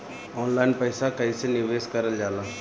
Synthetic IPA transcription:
ɔːnlaːɪnpəɪsakɐisenɪʋeːskəɾəld͡ʒaːlaː

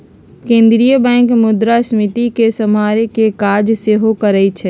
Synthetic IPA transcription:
kẽːnd̪ɾijəbɛ̃ːŋkmʊd̪ɾasmɪt̪ikesəmaːɾekekaːɾd͡ʒseɦokəɾəit͡ʃʰɛ

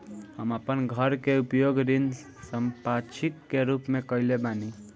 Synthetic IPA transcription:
həməpənɡʱəɾkeupjoɡɾin | səmpat͡ʃʰikːeɾupmekəilebani

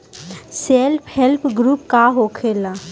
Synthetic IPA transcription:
selpʰhelpɡɾuːp̚kaɦokʰela

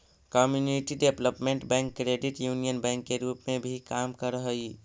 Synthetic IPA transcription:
kɔmjuniʈiɖebləpmẽɳʈbɛ̃ŋkːɾeɖiʈjuːnijənbɛ̃ːŋkːeɾuːpmẽbʱikaːmkəɾəɦəi

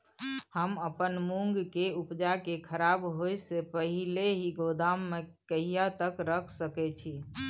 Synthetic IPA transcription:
həməpənmuŋɡkeupd͡ʒakekʰəɾaːbɦojsepəɦileɦiɡod̪amːekəɦijat̪əkɾəkʰsəkɛt͡ʃʰi

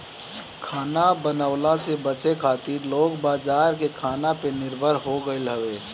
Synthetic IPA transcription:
kʰaːnabənaʊlasebət͡ʃekʰaːt̪iɾloːɡbaːd͡ʒaːɾkekʰaːnapenɪɾbʱəɾɦoɡəɪlɦəʋeː

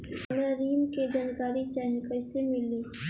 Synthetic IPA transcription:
ɐɡəɾiːmked͡ʒaːnkaːɾit͡ʃaːɦekəɪsemɪliː

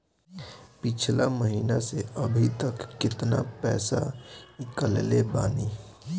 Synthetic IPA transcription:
pɪt͡ʃʰlaməɦiːnaseəbʱit̪əkːɪt̪na̰pɛ̰ːsa̰kəlelebaːni

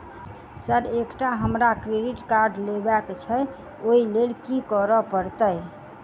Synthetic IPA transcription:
səɾekʈaɦəmɾakɾeɖiʈkaɾɖlebɛkt͡ʃʰə | oilelkikɔɾəpəɾt̪əj

